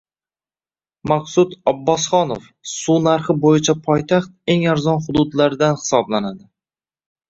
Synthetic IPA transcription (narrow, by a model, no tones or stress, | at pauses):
maqsʊt̪ɒbːɒsχɒnof | sunaɾχɪbojɪt͡ʃʰapʰɒjt̪ʰaχt̪̚e̞ŋaɾzɒnχʊd̪ʊd̪laɾɪd̪anhɪ̥sɒblanad̪ɪ